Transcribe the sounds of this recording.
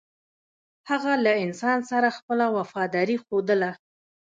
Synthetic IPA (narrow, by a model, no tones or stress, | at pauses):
haɣalaɪnsɑnsaɾaxpəlawafɑd̪ɑɾixod̪əla